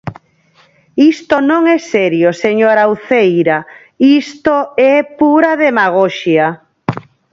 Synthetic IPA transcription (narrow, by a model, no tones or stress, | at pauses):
ist̪onõŋɛsɛɾjoseɲoɾawθejɾa | ist̪oɛpuɾaðemaɣ̞oʃja